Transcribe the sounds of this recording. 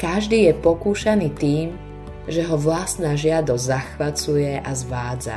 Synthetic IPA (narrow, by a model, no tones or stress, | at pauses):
kaʒd̪iːjɛpɔkuːʃaniːt̪iːm | ʒɛɦɔʋlast̪naːʒɪad̪ɔzzaxʋat͡sujɛʔazʋaːd͡za̰